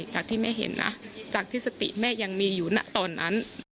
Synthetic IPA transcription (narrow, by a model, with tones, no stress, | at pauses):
t͡ɕaː˨˩k̚t̪ʰiː˥˩mɛː˥˩ɦḛ˨˩˦nːʔa̰˦˥t͡ɕaː˨˩k̚t̪ʰi˦˥˩sa˧t̪ḭ˨˩ʔmɛː˥˩ja˧ŋmiː˧juː˨˩na̰˧˥t̪ɔː˧nːa̰˦˥n